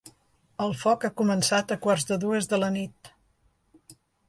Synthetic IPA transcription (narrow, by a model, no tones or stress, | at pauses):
əlˠfɔkakumənsat̪əkwarzðəðuəzðələnit̪̚